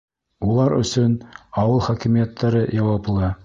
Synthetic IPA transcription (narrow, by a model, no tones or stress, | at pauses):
ulˠɑɾɵ̰̆sɵnɑwɤlˠχɒkimijæt̪ʰːæɾɤjɑwɑplˠɤ